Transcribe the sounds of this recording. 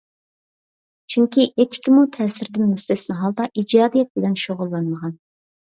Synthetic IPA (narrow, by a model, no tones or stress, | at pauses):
t͡ʃʰyŋkʲiet͡ʃkʲʰimut̪ʰɛːsɪɾd̪ɪnmuslɪsɪnɪɦɑlˠd̪ɑʔid͡ʒɑːd̪ijɛt̪̚bɪlɛnʃoʁʊlˠːɑnməʁɑn